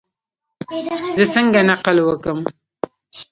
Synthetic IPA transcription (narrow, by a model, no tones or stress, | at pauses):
d̪əsəŋɡanaqəlwəkəm